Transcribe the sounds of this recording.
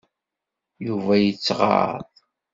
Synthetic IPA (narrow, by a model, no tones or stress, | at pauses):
juvæjət͡sːʁɑ̰ðˤ